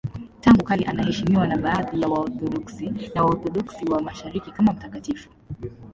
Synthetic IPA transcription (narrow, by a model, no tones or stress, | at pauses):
taŋɡukaliʔanahɛʃimiwanaɓaːðijawauθɔɗɔksinawauθɔɗɔksiwamaʃaɾikikamam̩takatifu̥